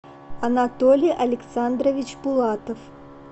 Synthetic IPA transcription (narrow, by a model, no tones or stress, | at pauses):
ɐnat̪ɔlʲiʔɐlʲɛk̪sand̪ɾɐvʲit͡ɕbulˠat̪ɐf